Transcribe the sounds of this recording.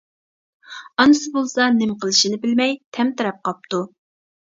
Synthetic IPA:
ɑnɨsɨbolˠsɑnɪmqʰəlˠɨʃinɪbɪlmɛjt̪ʰɛmt̪ɨɾɑp̚qʰɑp̚t̪u

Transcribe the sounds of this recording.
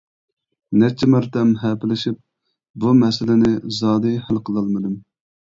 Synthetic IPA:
nɛt͡ʃʰːɪmɑɾt̪ɛmɦɛːpɪlɪʃip̚ | bumɛsɪlɪnɪzɑːd̪ɨhælqʰəlˠɑlˠmɨd̪ɨm

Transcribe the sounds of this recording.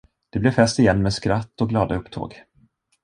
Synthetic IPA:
d̪̥ɛblɛɾfɛst̪ɪjɛnːmɛːd̪skɾat̪ːɔk̚ɡlɑːd̪aɵpːt̪ʰo̰ːɡ

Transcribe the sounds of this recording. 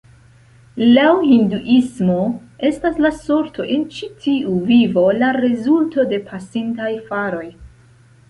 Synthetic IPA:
lawhinduʔismo̞ | e̞staslaso̞ɾtʰo̞ʔe̞nt͡ʃitʰiuvivo̞laɾezulto̞de̞pʰasintajfaɾo̞j

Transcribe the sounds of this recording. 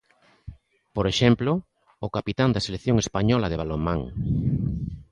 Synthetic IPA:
poɾeʃɛmploː | kapit̪and̪aselekθjoŋespaɲɔlað̞eβalomãŋ

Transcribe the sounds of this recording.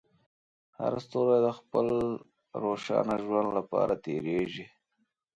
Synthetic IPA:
ha̰ɾast̪oɾad̪əxpəl | ɾoʃɑ̰naʒwand̪lapɑ̰ɾʔat̪eɾeʒi

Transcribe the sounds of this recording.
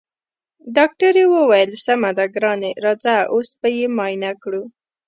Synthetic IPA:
ɖɑk̚ʈəɾewowajəlsamad̪aɡɾɑneɾɑd͡zaʔosbajemɑjnakɽu

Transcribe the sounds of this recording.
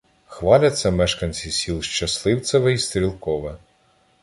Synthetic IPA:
xʋɑlʲɐsʲːɐmɛʃkɐnʲt͡sʲisʲilˠʃt͡ʃɐslˠɪwt̪sɐʋɛist̪ɾʲilˠkɔʋɛ

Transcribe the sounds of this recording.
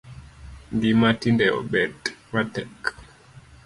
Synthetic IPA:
nɡimatindɛɔ̰bɛtwatɛk

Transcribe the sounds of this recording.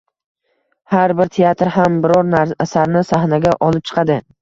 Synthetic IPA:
haɾbɪɾt̪ʰeat̪ɾɦambɪɾɒɾnaɾasaɾnɪsahnaɡʲaʔɒlˠɪp̚t͡ʃʰɨ̥qʰɑd̪ɪ

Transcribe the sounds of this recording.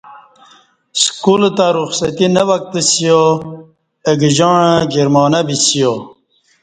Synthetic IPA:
skult̪aɾuxsɐt̪inəwɐk̚t̪əsijo | eɡʑɑːɳaɡiɾmɑːnabisijo

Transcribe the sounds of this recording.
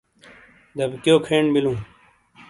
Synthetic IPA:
d̪ɐbkjoːkʰeːɳbilũː

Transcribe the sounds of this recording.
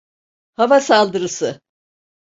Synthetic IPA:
havasalˠd̪ɯɾɯsɯ

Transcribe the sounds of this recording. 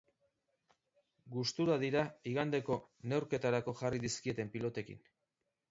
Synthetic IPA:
ɡust̪uɾaðiɾaiɣand̪e̞ko̞ne̞wɾke̞t̪aɾako̞ʝariðiskie̞t̪e̞mpilo̞t̪e̞kḭn

